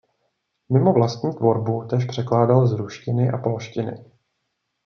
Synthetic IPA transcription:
mɪmo̞vlast̪ɲiːt̪vo̞ɾbut̪ɛʃpr̥ɛklaːdalzɾuʃcɪnɪʔapolʃcɪnɪ̰

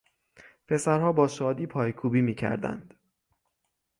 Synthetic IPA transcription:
pʰe̞sæɾhɒːbɒːʃɒːd̪iːpʰɒːjkʰuːbiːmiːcʰæ̰ɾd̪æ̰nd̪̥

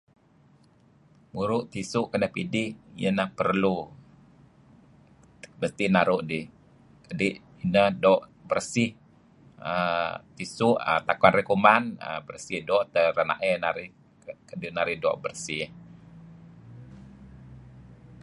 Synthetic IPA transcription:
muɾʊʔt̪isʊʔkənəhpidɪhjənahpərlu | məst̪inaɾʊʔdɪh | kədɪʔ | inəhdɔʔbərsɪh | ət̪isʊʔə̰t̪akwanrekumanə̰bərsɪhdɔʔt̪əɾana̰ʔɛnaɾɪh | kədinaɾɪhdɔ̰ʔbərsɪh

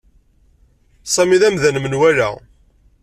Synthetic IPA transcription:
sˤɑmiðæmðænmənwæɾæ̰

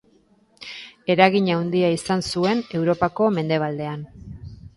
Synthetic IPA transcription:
e̞ɾaɣiɲawnd̪iaisansue̞ne̞wɾo̞pako̞me̞nd̪e̞β̞ald̪e̞an

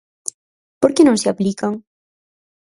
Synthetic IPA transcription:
poɾkenõŋseaplikaŋ

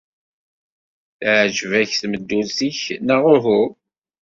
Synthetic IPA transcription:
θʕʒvæçθməd̪ːusiçnaʁʊɾɦʊ

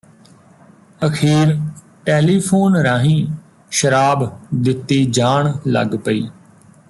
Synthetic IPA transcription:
əkʰeːɾ | ʈeːliːpʰoːnɾaːɦĩː | ʃəɾaːbd̪ɪt̪ːeːd͡ʒaːɳlə̰ɡpəiː

